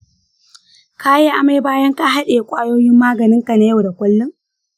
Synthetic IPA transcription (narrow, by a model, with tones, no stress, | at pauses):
ka˦je˦ʔa˨ma˦jbaː˦jɐ˦ŋka˦ɦa˦ɗeː˨kʷʼaː˦joː˦jɪ˦mːaː˦ɡɐ˨nɪ˦ŋka˨na˦ja˦˨wda˨kʷʼʊ˦lːʊ˦ŋ